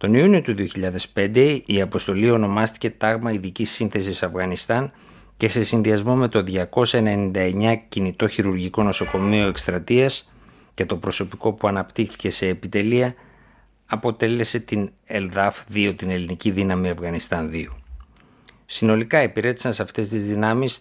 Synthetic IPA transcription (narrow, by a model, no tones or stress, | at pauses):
t̪o̞niunio̞t̪uðio̞çiʎɐðe̞spe̞nd̪e̞iɐpo̞st̪o̞lio̞no̞mɐst̪i̥ce̞t̪ɐɣmɐiðicisinθe̞sisɐfɣɐnist̪ɐn | ce̞se̞sinðiɐzmo̞me̞t̪o̞ðʝɐko̞sɐenenind̪ɐe̞ɲɐcinit̪o̞çiɾuɾʝiko̞no̞so̞ko̞mio̞e̞kst̪ɾɐt̪iɐs | ce̞t̪o̞pɾo̞so̞piko̞puɐnɐpt̪ixθi̥ce̞se̞ːpit̪e̞liɐː | po̞t̪e̞le̞se̞t̪in | elðɐfðio̞t̪ine̞liniciðinɐmiɐfɣɐnist̪ɐnðio | sino̞likɐepiɾe̞t̪i̥sɐnsɐft̪e̞st̪izðinɐmis